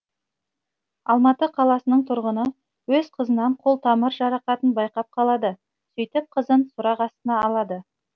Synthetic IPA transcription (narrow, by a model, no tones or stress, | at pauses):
ɑlˠmɑt̪əqʰɑlˠɑsənəɴt̪ʰʊɾʁənə | wɵzqʰəzənɑɴqʰolˠt̪ʰɑməɾʒɑɾɑqɑt̪ənbɑjqɑp̚qʰɑlˠɑd̪ə | sɵjt̪ɪp̚qʰəzənsʊɾɑqɑst̪ənɑːlˠɑd̪ə